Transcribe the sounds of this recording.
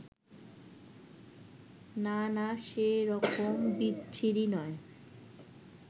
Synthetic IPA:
nanaʃeɾɔkʰombitːt͡ɕʰiɾinɔe

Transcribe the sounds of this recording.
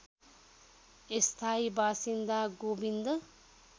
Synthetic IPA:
est̪ʰaːibaːsind̪aɡoːbind̪ə

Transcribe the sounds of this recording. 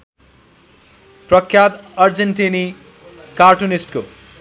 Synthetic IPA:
prʌkʰjat̪ʌrd͡zenʈini | karʈunisʈko

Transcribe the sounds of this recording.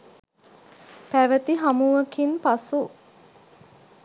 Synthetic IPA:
pæʋət̪iɦamuʋəkinpasu

